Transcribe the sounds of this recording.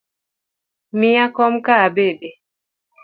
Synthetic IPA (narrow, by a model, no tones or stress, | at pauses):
miakɔm̩kaːbɛɗɛ